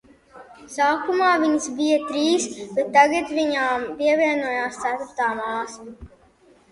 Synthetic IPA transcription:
saːkumaːviɲsbijɐt̪ɾiːsb̥ɛt̪ːaɡat̪viɲaːmpiɛvʲiɛnuɔjaːst̪sæt̪uɾt̪aːmaːs

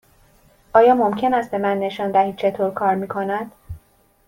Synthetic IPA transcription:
ʔɒːjɒːmomcʰe̞næst̪̚be̞mænːe̞ʃɒːnd̪æhiːd̪̚t͡ʃʰe̞t̪ʰoːɾkʰɒːɾmiːkʰo̞næd̪̥

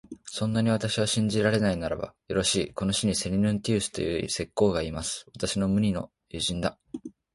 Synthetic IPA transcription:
sõ̞nːaɲ̟iβat̪aɕiβaɕĩɲ̟d͡ʑiɾaɾe̞nainaɾa̰ba̰jo̞ɾo̞ɕiːko̞no̞ɕiɲ̟ise̞ɲʲinɯ̟̃nt̪ʲiːsɨ̥t̪o̞jɯ̰ḭse̞kːo̞ːɡaimasɨ̥βat̪aɕino̞mɯ̟ɲ̟ʲino̞̰ | jɯʑĩnd̪a

